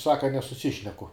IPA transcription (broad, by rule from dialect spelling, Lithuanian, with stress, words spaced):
ˈsɑːkɐ nʲɛsʊˈsʲɪʃʲnʲɛkʊ